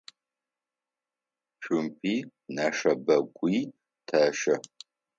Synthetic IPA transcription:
ɕʷᶣʊmpʰiːnaːʂɐbɐɡʷʼiː | tʰɐʃɐ

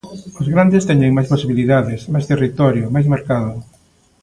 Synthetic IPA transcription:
ʊzɣɾand̪ɪst̪ɛɲeŋmajsposiβiliðaðɪsmajst̪erit̪ɔɾjʊmajsmeɾkaðʊ

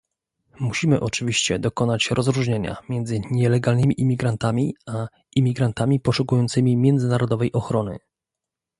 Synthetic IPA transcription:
muɕimɘʔɔt͡ʂɘvʲiɕt͡ɕɛ̰d̪ɔkɔnat͡ɕɾɔzɾuʐɲeɲa̰mʲjɛnd̪zɘɲɛlɛɡalnɘmʲiʔimʲiɡɾant̪amʲia | imʲiɡɾant̪amʲipɔʂukujɔnt̪sɘmʲimʲjɛnd̪zɘnaɾɔd̪ɔvɛjʔɔxɾɔnɘ̰

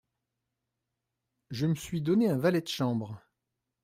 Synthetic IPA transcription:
ʒəməsɥid̪ɔneɛ̃valɛd̪əʃɑ̃bʁ

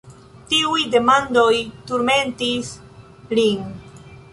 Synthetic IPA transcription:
tiujde̞mando̞jtuɾme̞ntis | lin

